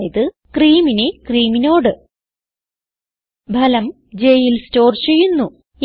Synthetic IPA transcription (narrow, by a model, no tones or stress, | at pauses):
ɐðɨ | kriːminekriːmino̞ːɽɨ | bʱɐlɐm | d͡ʑejilsto̞ːrt͡ɕejunːu | j